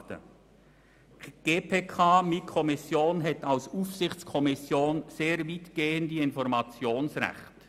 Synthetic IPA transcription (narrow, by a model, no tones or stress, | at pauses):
tə̰ | ɡ̥eːpʰeːkʰaːmikʰɔmɪsjoːnɦɛtalsuːfsɪçt͡skʰɔmɪsjoːnz̥eːɾviːtɡ̥eːəndiɪnfɔɾmɑt͡sjoːnsʁɛ̰xt